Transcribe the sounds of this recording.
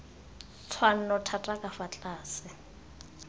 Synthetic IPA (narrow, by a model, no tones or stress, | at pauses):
t͡sʰwan̩nɔtʰatʼakʼafat͡ɬʼaːsɪ